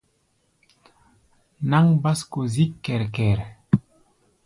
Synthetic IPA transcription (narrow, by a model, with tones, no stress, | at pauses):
na˦ŋba˦sko˨zi˦kːɛ˨ɾkɛ˨ɾ